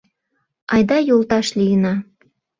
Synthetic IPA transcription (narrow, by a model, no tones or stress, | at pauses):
ɑjd̪ɑjolˠt̪ɑʃlijənɑ